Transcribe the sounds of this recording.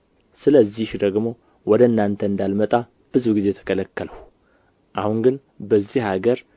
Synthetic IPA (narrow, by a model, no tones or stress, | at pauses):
sɨləzːihd̪əɡmo̞ | wɔd̪əɨnːant̪ʰəɨnd̪almət̪ʼa | b̥ɨzuɡize̞t̪ʰə̥kʰələkːələw | ʔahuŋɡɨn | bəzːihhaɡəɾ